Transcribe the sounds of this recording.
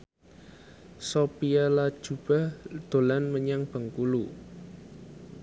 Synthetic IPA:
sopialad̥ʒ̥ṳb̥a̤d̪̥o̤lanməɲaŋb̥ə̤ŋkulu

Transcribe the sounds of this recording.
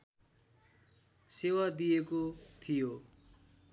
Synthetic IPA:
sewad̪ijekot̪ʰijo

